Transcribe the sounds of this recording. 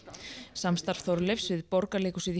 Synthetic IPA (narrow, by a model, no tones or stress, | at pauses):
samst̪aɾ̥fθɔɾlɪfsvɪðpɔɾkaleːkʏsiði